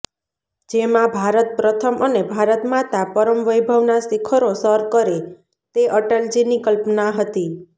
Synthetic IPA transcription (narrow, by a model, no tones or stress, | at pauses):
d͡ʒemãbʱaɾət̪̚pɾət̪ʰəmʔənebʱaɾət̪mãt̪apəɾəmʋəjbʱəʋnasikʰəɾosəɾkəɾe | t̪eʔəʈəld͡ʒinikəlpnaɦət̪i